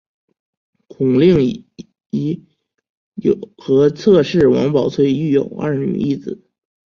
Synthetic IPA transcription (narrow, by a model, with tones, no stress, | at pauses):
kʰʊ˨˩ŋli˥˩ŋ˧˩ | i˧˥ | jo˨˩xɤ˧˥t͡sʰɤ˥˧ʂɻ̩˥˩wɑ̰˧˥ŋpɑ˨˩ʊt͡sʰwe˥˧ɪy˥˩jo˨˩ʊa̰˥˩ny̰˨˩i˥˩d͡zɹ̩˨˩˦